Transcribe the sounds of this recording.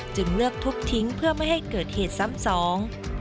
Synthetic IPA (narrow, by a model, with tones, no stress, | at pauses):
t͡ɕɯ˨˩ŋɾɯ˥˩ək̚t̪ʰu˦˥k̚t̪ʰi˦˥ŋpʰɯ˥˩əma˥˩jha˥˩jkɤː˨˩t̪̚heː˨˩t̪̚sa˦˥msɔː˩˦ŋ